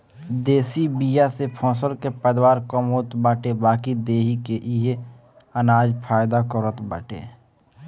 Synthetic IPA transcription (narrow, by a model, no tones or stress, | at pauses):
d̪eːsibijasepʰɔ̃ːsəlkepəd̪waːɾkəmoːt̪baːʈebaːkid̪eːɦikeʔɪɦe | ənaːd͡ʒpʰaːjd̪akəɾət̪bə̰ːʈḛː